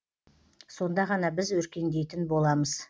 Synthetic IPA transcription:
so̞nd̪ɑʁɑnɑbɪzwɵɾkʲe̞nd̪e̞jt̪ɪnbo̞lˠɑməz̥

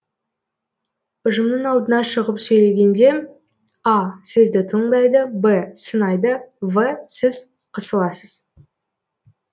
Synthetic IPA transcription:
ʊʒəmnəɴɑlˠd̪ənɑʃəʁəpsɵjle̞ɡʲe̞nd̪e̞ | ɑsɪzd̪ɪt̪ʰəɴd̪ɑjd̪əbəsənɑjd̪əvəsɪz | qʰəsəlˠɑsəz̥

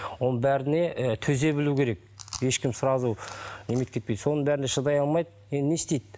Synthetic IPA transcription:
wo̞nəɴbæɾɪne̞ʔt̪ʰɵze̞bɪlukʲʰe̞ɾe̞k̚je̞ʃkʲɪmsʊɾɑzunemet̪kʲe̞t̪̚ped̪so̞nəɴbæɾɪneʃəd̪ɑjɑlˠmɑjd̪ | jend̪ɪnest̪ejd̪

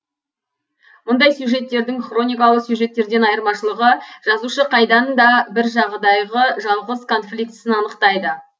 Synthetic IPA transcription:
mʊnd̪ɑjsjuʒe̞t̪ːe̞ɾd̪ɪŋχro̞nʲijkɑlˠəqsjuʒe̞t̪ːe̞ɾd̪e̞nɑjəɾmɑʃəlˠəʁəʒ̥ɑzuʃəqʰɑjd̪ɑnd̪ɑbɪɾʒɑʁd̪ɑjʁəʒɑlˠʁəzkʰo̞nflʲik̚t̪ɪ̥sɪnɑnəqt̪ɑjd̪ə

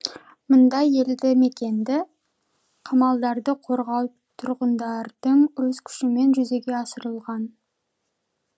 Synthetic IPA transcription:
mʊnd̪ɑje̞ld̪ɪme̞kʲe̞nd̪ɪ | qʰɑmɑlˠd̪ɑɾd̪əqʰo̞ɾʁɑw | t̪ʰʊɾʁənd̪ɑɾd̪̥əɴɵzkʲʰʏ̥ʃɪme̞nʒʏze̞ɡʲe̞ɑsəɾəlˠʁɑn

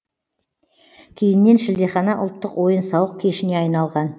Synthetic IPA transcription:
kʲʰe̞jɪnːe̞nʃɪld̪eχɑnɑʔʊ̰lˠt̪ːəqwo̞jənsɑwəq̚kʲʰe̞ʃɪne̞ɑjnɑlˠʁɑn

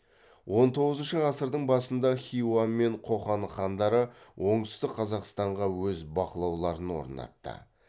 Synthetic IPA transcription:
wʔo̞nt̪ʰo̞ʁəzənʃəɑsəɾd̪əɴbɑsənd̪ɑχʲiwanme̞ɴqʰo̞χɑnχɑnd̪ɑɾəwʔo̞ɴt̪ɪ̥st̪ɪkqʰɑzɑqst̪ɑɴʁɑwɵzbɑqəlˠɑwlˠɑɾənwo̞̰ɾnɑ̰t̪ːə̰

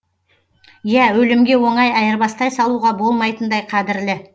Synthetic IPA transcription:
jæwɵlɪmɡʲe̞wo̞ɴɑjɑjəɾbɑst̪ɑjsɑlˠuʁɑbo̞lˠmɑjt̪ənd̪ɑjqʰɑd̪ɪɾlɪ

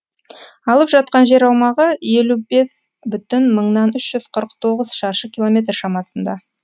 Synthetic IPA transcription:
ɑlˠəpʒɑt̪̚qɑnʒe̞ɾɑwmɑʁəe̞lube̞s | bʏt̪ɪnməɴnɑnʏʃʒ̥ʏz̥qʰəɾəqt̪ʰo̞ʁəz̥ʃɑɾʃəkʲilˠo̞mʲe̞t̪rʃɑmɑsənd̪ɑ

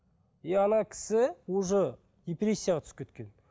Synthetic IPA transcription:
eɑnɑkʲʰɪ̥sɪwoʒə | d̪epɾʲe̞sʲːijaʁɑt̪ʰʏ̥skʲʰet̪kʲe̞n

